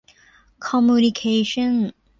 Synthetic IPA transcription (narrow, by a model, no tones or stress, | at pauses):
kʰəmjunɪkʰeɪʃə̃n